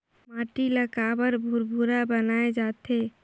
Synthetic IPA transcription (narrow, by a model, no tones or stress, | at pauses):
maːʈiləkabəɾbʱuɾbʱuɾabənaːed͡ʒaːt̪e